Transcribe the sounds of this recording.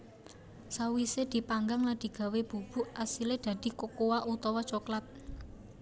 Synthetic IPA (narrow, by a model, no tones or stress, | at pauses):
sawised̪̥i̤paŋɡaŋlad̪̥i̤ɡ̥ä̤web̥ṳb̥ṳʔasiled̪̥ä̤d̪̥i̤kokowaʔut̪ɔwɔt͡ʃɔklat̪̚